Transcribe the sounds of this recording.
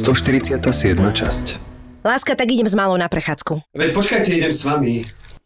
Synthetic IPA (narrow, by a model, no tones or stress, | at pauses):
st̪ɔʃt̪iɾit͡sɪat̪aːsɪɛd̪mat͡ʃa̰sclaːskat̪aɡiɟɛmzmalɔʊnapɾɛxaːt͡skuʋɛcpɔt͡ʃkajcɛiɟɛmsʋami